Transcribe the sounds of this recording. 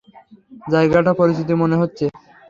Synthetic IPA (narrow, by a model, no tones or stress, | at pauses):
d͡ʑaeɡaʈapoɾist̪ʰit̪̬imoneɦotːɕʰe